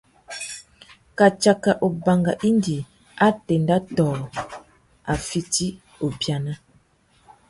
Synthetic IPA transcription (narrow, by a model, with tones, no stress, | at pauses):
ka˨t͡ʃa˨ka˨ʔo˨ba˨ŋɡa̰˨ʔi˦ndi˨ | a˦tɛ˨nda˦tɔː˨ | a˨fi˦ti˦ | o˨bja˨na˦